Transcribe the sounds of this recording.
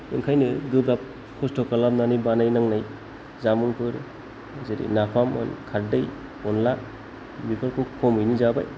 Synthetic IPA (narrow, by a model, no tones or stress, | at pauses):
ɯŋkʰajnɯɡɯbɾap̚ | kʰɔstʰɔkalap̚nanijbanajnaŋnaj | zamuŋpʰɯɾ | zeɾḭnapʰamɯ̰nkʰaɾdɯj | ɔnla | mipʰalkʰukʰɔmɯjnizaba̰j